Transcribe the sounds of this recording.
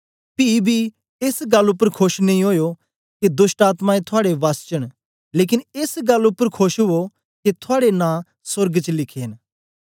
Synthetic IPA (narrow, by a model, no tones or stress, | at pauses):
pibʱi | esɡɐlʊpːəɾkʰʊʃnĩɦoːjo | ked̪ʊsʈaːt̪mãẽt̪ʰʊaːɽeʋaːst͡ʃəɽ̃ | leːkɪnesɡɐlːʊpːəɾkʰoʃɦʊo | ket̪ʰʊaːɽenã | sʊɾɡt͡ʃlɪkʰeːn